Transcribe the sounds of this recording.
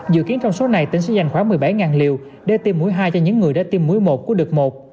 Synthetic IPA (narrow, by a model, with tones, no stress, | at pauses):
zɨ̰˧˨ki˨˦ənt͡ɕɔ˧wŋ͡mso˨˦na˨˩jt̪ï˨˧˩ŋsɨ̰˧˥za˨˩jŋ̟xwaː˨˦mɨ˨˩jɓa˧˩jŋaː˨˩nli˨˩əw | ɗe˧˩t̪i˧mːu˨˦əjɦaː˧jt͡ɕɔ˧ɲɨ̰˧˥ŋːɨ˨˩əjɗa̰ː˧˥t̪i˧mːu˨˦əjmo˨˩t̚kəɗɨ˨˩k̚mo˨˩t̚